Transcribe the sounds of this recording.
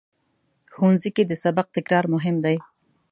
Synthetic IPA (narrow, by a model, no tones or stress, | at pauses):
xuwnziked̪əsabaq̚t̪ɪkɾɑɾmʊɦɪmd̪aj